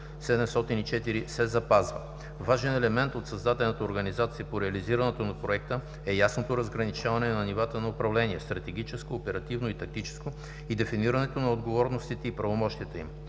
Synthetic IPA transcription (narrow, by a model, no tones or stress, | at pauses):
sɛd̪ɛmst̪ɔt̪init͡ʃɛt̪iɾisɛzɐpazvə | vaʒɛnɛlɛmɛnt̪ot̪sɐzd̪at̪ɛlnət̪əoɾɡɐnizat̪sijəpoɾɛɐliziɾɐnɛt̪onɐpɾoɛk̚t̪ə | ɛjasnot̪oɾɐzɡɾɐnit͡ʃavɐnɛnɐnivat̪ənɐopɾɐvlɛniɛst̪ɾɐt̪ɛɡ̟it͡ʃɛskoːpɛɾɐt̪ivnoit̪ɐk̚t̪it͡ʃɛ̥sko | id̪ɛfiniɾɐnɛt̪onɐod̪ɡovɔɾnost̪it̪ɛipɾɐvomɔʃt̪iət̪ɛḭm